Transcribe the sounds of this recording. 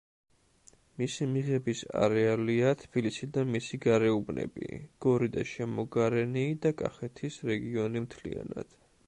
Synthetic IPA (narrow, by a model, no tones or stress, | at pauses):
misimiʁɛbisa̰ɾɛaliat̪ʰb̥ilisid̪amisiɡaɾɛubnʔɛ̰bḭɡ̥ɔɾid̪a̰ʃɛmɔɡaɾɛniːd̪akʼa̰χɛt̪ʰisɾɛɡiɔnimt̪ʰlḭa̰na̰d̪̥